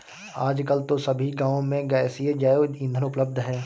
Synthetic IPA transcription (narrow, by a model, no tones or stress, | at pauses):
aːd͡ʒkəlt̪osɐbʱiɡãːõmẽɡaːsied͡ʒaːjoĩnd̪ʱənʊpləb̚d̪ʱɦɛː